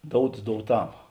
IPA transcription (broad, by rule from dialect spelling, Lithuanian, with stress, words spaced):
ˈdoːʊts doːʊˈtɐm